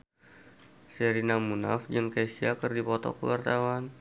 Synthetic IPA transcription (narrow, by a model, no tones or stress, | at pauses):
sɛɾinamuna̰fd͡ʒɨŋkasiakərdipɔt̪ɔ̰kəwart̪awan